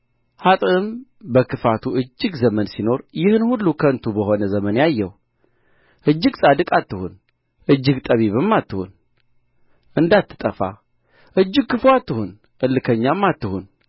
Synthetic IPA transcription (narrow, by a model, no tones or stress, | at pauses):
hat̪ʼɨɨmbəkʰɨfat̪ʰuʔɨd͡ʒːɨɡzəmənsino̞ɾjɪhɨnhulːukʰəɨnt̪ʰubəho̞nəzəmənjajːɛh | ʔɨd͡ʒːɨɡsʼad̪ɨkʼat̪ːɨhṵn | ʔɨd͡ʒːɨɡt̪ʼəβiβɨmːat̪ːɨhṵn | ʔɨnd̪at̪ʰːɨ̥t̪ʼəfa̰ | ʔɨd͡ʒːɨɡ̚kɨfoat̪ːɨhun | ʔɨlːɨkʰəɲːamːat̪ːɨhun